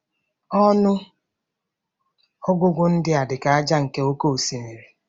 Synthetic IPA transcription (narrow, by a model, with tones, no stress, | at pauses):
ɔ˦nʊ˦ | ɔ˦ɡʷʊ˦ɡʷʊ˦n̩˦dɪ˦a˨dɪ˨ka˨a˦d͡ʒa˦ŋ̩˨ke˦o˦ko˦o˨si˨ne˨ɾe˨